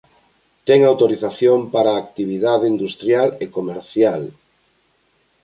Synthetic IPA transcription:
t̪ɛŋawt̪oɾiθaθjompaɾaːkt̪iβ̞iðaðeind̪ust̪ɾjalekomeɾθjal

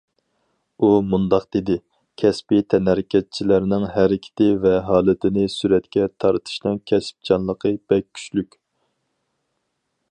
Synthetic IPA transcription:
umund̪ɑqd̪̥ed̪ɪ | kʲʰɛspit̪ʰɛnæɾɪkʲʰɛt̪̚t͡ʃʰilæɾnɪŋɦæɾɪkʲʰɪ̥t̪ʰɪvɛɦɑːlˠɨt̪ʰɪnɪsyɾɛt̪kʲʰɛt̪ʰɑɾɨt̪ʰɨ̥ʃnɛŋkʲʰɛsp̚d͡ʒɑnlˠəqʰəb̥ɛk̚ʲʰːy̥t͡ʃlykʲ

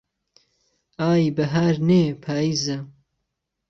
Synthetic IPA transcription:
aːjbɐɦaːɾneːpʰaːiːzɐ

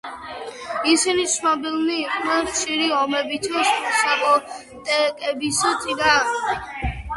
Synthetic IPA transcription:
isinit̪sʰnɔbilˠniːqʼnɛnχʃiɾiɔmɛbit̪ʰɔsmusakʼɔ | t̪ʼɛkʼɛbisɔt̪ʼid̪aʁni

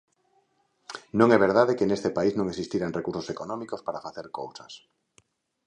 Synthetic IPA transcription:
nõŋɛβeɾð̞aðekenest̪epaiznõŋesist̪iɾanrekuɾsosekonõmikospaɾafaθeɾkowsas

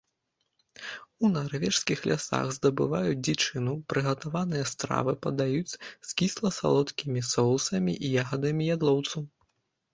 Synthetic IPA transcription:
unarvʲɛʂskʲixlʲasa̰ɣzd̪ɐbɨvajud͡zʲdʲit͡ʂɨnupɾɨɣɐt̪avanɨjɛst̪ɾa̰vɨpɐd̪ajut͡sʲskʲislˠɐsa̰lˠɔt̪kʲimʲisɔwsɐmʲiʔijaɣɐd̪ɐmʲijad̪lˠɔwt̪sɐw

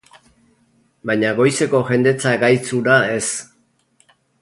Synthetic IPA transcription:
bajɲaɣo̞jse̞ko̞ʝe̞nd̪e̞t͡saɡajt͡suɾae̞s

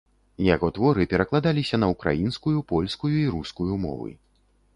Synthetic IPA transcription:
jaɣɔt̪vɔɾɨpʲɛɾɐklˠad̪alʲisʲɐnɐukɾa̰jinskujupɔlʲskujuiɾuskujumɔ̰vɨ̰

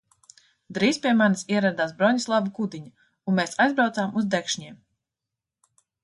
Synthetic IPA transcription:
d̪ɾiːspʲiɛmanisiɛɾad̪aːsbɾɔɲislˠabukud̪iɲu | unmeːsajzbɾawt̪saːmuzd̪ɛkʃɲiɛm

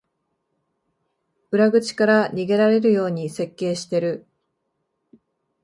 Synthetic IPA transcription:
ɯ̟ɾaɡɯ̟t͡ɕi̥kaɾaɲ̟iɡe̞ɾaɾe̞ɾɯ̟jo̞ːɲ̟ise̞kːe̞ːɕi̥t̪e̞ɾɯ̟

